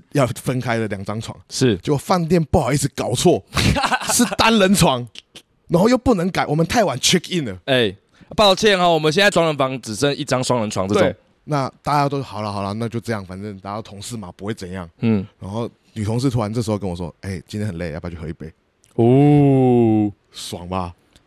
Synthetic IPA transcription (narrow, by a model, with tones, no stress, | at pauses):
jɑ˥˧ʊfə˦nkʰa˥ɪdə˨ljɑ˨˩ŋt͡sɑ˦ŋt͡sʰwɑ̰˧˥ŋʂɻ̩˥˩t͡ɕo˥˧o˧fa˥˧nt̪̬jɛ˥˧˨npu˥˩xɑ˨˩ʊi˥˩t͡s̩˧˦kɑ˨˩ʊt͡sʰwɔ˥˩ | ʂɻ̩˥˩t̪a˦nlə˧˦nt͡sʰwɑ˧˥ŋ | na˧˥nxo˥˧jo˥˧ʊpu˥˩nə˧˦ŋka˨˩ɪwɔ˨˩mə˦nt̪ʰa˥˩ɪwa˨˦nt͡ɕʰɛ˥ki˥˩nd̪ə˩e˥˩ɪ | pɑ˥˧˩ʊt͡ɕʰjɛ˥˨nɔ˨wɔ˨˩mə˨˦nɕjɛ˥˧nt͡sa˥˩ʈ͡ʂwɑ˧˥ŋɻə˧˦nfɑ˧˥ŋʈ͡ʂɻ̩˨˩ʂə˥˦ŋi˥˩ʈ͡ʂɑ˥˦ŋswɑ˥˦ŋlə˧˦nʈ͡ʂʰwɑ˧˦ŋt͡sə˥˧˩e˩ʊ˨ | na˥˨t̪a˥˧t͡ɕja˥t̪̬o˥ʊxɑ˨˩ʊlə˦xɑ˨˩ʊlə˦na˥˧t͡ɕjo˥˧ʊʈ͡ʂɤ˥˧jɑ˥˩ŋfa˨˩nt͡sə˥˧nt̪a˥˩ja˥t̪o˥˩t̪ʰʊ˧˦ŋʂɻ̩˥˩ma˨pu˧˥xwe˥˩ɪt͡sə˨˩njɑ̰˥˩ŋn̩˥˩ɻa˧˥nxo˥˩ʊ | ny˨˩o˧˦ŋʂ̬̩˥˧t̪ʰu˥wa˧˦nʈ͡ʂɤ˥˩ʂ̩˧˥o˥˧kə˦nwɔ˨˩ʂwɔ̰˦˥e˥˩ɪt͡ɕi˧˥nt̪ʰɛ˥nxə˨˩le˥˩ɪja˥˩pa˧˨t͡ɕʰo˥˩xi˥˩pe˥˩ɪ | u˥˩ | swɑ̰˨˩ŋba˨